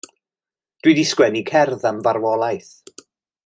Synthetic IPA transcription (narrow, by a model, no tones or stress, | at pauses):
d̥widiskwɛnikʰɛrðamvaɾwɔlˠajθ